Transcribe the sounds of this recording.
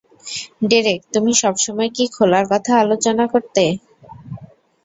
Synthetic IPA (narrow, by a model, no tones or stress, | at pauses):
ɖiɾek̚t̪umiʃɔbʃɔmɔekikʰolaɾkɔt̪ʰaalot͡ɕonakoɾt̪e